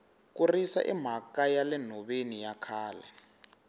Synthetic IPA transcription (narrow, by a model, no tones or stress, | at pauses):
k̬urisa̰ʔḭm̤akajalɛn̤ɔɓenijakʰaːlɛ̰